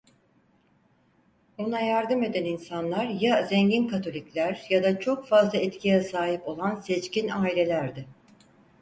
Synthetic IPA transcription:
onajaɾd̪ɯme̞d̪æninsanlˠaɾjazɛɲɟinkʰat̪ʰo̞lʲiclʲæɾjad̪at͡ʃʰo̞kfazlˠaɛt̪cʰijɛsaːɦipo̞lˠansɛt͡ʃcinaːilʲe̞lʲæɾd̪ɪ

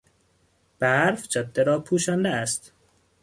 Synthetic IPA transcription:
b̥æɾfd͡ʒɒd̪ːeɾɒːpʰuːʃænd̪ææst̪

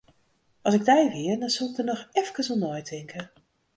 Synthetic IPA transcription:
ʔɑsɪɡ̚dɛjʋɪərdɔnsɵlˠɪk̚dənɔxɛfkənsɔnojtʰɪŋkə

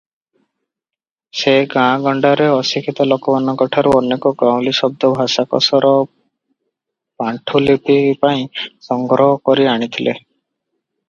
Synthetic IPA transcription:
seɡãɡɔɳɖaɾeɔsikʰit̪ɔlɔkɔmanɔkɔʈʰaɾuɔnekɔɡãw̃lisɔb̚d̪ɔbʱasakɔ̰sɔɾɔ | paɳʈʰulipipaĩsɔŋɡɾɔɦɔkɔɾiaɽ̃it̪ʰilʔe

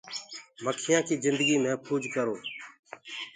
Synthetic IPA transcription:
məkʰɪjãːkiːzɪnd̪əɡiːmẽːpʰuːd͡ʒkəɾoː

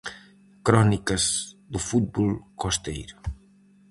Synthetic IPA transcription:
kɾɔnikɐzd̪ufut̪̚bolkost̪ḛjɾʊ

